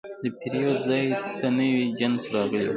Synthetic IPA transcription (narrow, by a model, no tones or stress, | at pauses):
d̪əpiɾijɑd̪zɑjt̪anəwid͡ʒansɾɑɣəlḛw